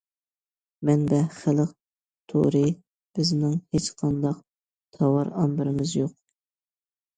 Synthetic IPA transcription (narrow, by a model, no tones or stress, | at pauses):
mɛnb̪ɛχɪlˠəq̚ | t̪ʰo̰ɾɨ | b̥ɪznɪŋhet͡ʃqʰɑnd̪ɑq | t̪ʰɑwɑɾɑmbɨɾɪmɪzjoq̚